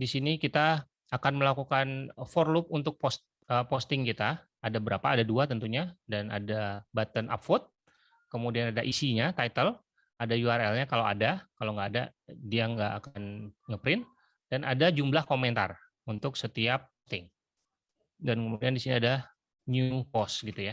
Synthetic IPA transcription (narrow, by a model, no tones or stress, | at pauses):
disinikit̪aː | kanməlakukanfɔrlup̚unt̪ʊk̚post̪̚ | əpost̪ɪŋkit̪a | adabəɾapaːdaduat̪ənt̪uɲadana̰dabat̪ənʔa̰pfɔt̪̚ | kəmudianadaʔisiɲat̪ajt̪əl | adajuarɛlɲakalawadakalowŋɡaːdadiaŋɡaʔakanŋəpɾɪn | d̥anʔadad͡ʒumblahkomɛnt̪a̰r | unt̪ʊksət̪iap̚ːost̪ɪŋ | dankəmudiandisiniada | njupɔst̪ɡit̪uja